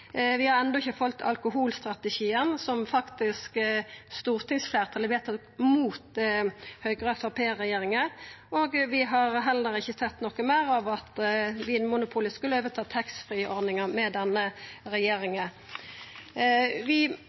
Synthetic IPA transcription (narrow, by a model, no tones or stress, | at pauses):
ʋɪhɑɾɛnd̪ɔɪçːəfɔlt̪ʰɑ̰lkʊɦuːlst̪ʁɑt̪əʃiːənsɔmfɑkt̪ɪskst̪uːʁt̪ʰɪŋsfleːʁt̪ʰɑləʋɛt̪ɑ | muːt̪ | hœʏɡʁəfɑpʰeːɾɛjeːɾɪŋə | oːɡʋɪɦɑɾɦɛlːəɾɪçːəsɛt̪ːnɔkːəmæːɾɑʋɑt̪ʋɪnmʊnʊpʰuːlɪskʉlːəoːʋət̪ʰɑːt̪ʰɛksfɾiːʔɔɾd̪ɪŋəmɛd̪ɛnːəɾɛjeːɾɪŋə | ʋɪ